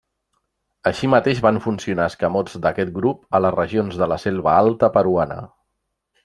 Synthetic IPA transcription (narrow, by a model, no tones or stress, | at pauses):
əʃimət̪eʒβaɱfunsiunaskəmɔd͡zd̪əkɛt̪̚ɡɾupələzrəʒionzðələselˠβəalˠt̪əpəɾuanə̰